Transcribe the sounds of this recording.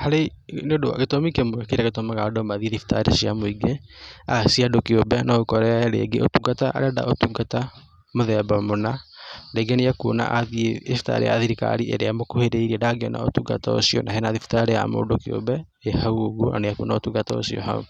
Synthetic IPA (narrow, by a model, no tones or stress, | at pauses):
haɾeneodowa̰ɣetomikemoɛkeɾaɣetomaɣaɔdɔmaðieðifi̥ta̰ɾesiamoiɡeasiadokiobɛnaɣokɔɾɛɾḛɡeʔotuɡataʔa̰ɾɛda̰ʔotuɡata | moðɛbamonaɾeɡeneakona̰ʔaðiefi̥ta̰ɾḛja̰ðiɾika̰ɾiʔɛ̰ɾeamokoheɾeiɾiɛdaɡeɔna̰o̰tuɡa̰tao̰siɔ̰naɦenaðifi̥taɾeja̰mo̰ːdokio̰bɛ | ehauɣona̰nejakṵnaotuɡatao̰siɔ̰ɦa̰ṵ